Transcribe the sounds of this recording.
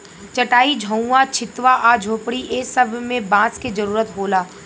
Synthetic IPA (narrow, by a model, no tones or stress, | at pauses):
t͡ʃɐʈaːid͡ʒʱə̃ũat͡ʃʰɪt̪ʋaʔad͡ʒʱoːpɽiʔeːsɐbʱmẽbãːsked͡ʒɐɾuːɾət̪ɦoːlaː